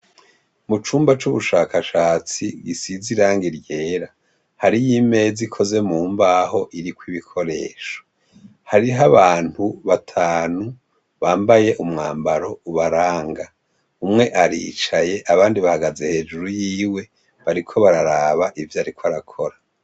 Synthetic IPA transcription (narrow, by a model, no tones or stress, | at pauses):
mut͡ʃuːmbat͡ʃuβuʃaːkʰaʃaːt͡siɡisiziɾaːŋɡiɾje̞ːɾa | haɾijime̞ːzikʰo̞ze̞muːmbaho̞ʔiɾikwiβikʰo̞ɾe̞ːʃo̥ | haɾiɦaβaːn̥huβatʰaːnu | βaːmbaje̞ʔumŋaːmbaɾo̞uβaɾaːŋɡa | umŋe̞ʔaɾiːt͡ʃaje̞ʔaβaːndiβahaɡaze̞he̞d͡ʒuɾujiːwe̞ | βaɾikʰo̞βaɾaɾaːβaʔivjaːɾikwaɾakʰo̞ɾa